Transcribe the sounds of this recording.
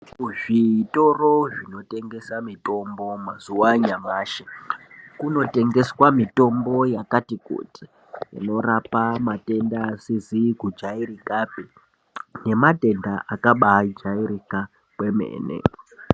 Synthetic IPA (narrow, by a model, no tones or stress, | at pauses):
ʐiːto̞ro̞ʐino̞te̞ŋɡe̞samito̞mbo̞mazuwaɲamaːʃekuno̞te̞ŋɡe̞swamito̞mbo̞jakatiko̰tʰi̥ | ḭno̞rapamate̞ndaːsizikud͡ʒairikape | ne̞mate̞ndaʔakaɓaid͡ʒaiɾika | kwe̞mḛːnḛ